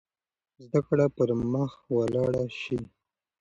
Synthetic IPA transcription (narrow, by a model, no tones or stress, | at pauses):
zd̪akɽapəɾməxwalɑɽaʃi